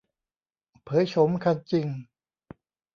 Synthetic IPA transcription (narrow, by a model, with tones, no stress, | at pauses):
pʰɤː˨˦jt͡ɕʰo˨˦mkʰa˧nt͡ɕi˧ŋ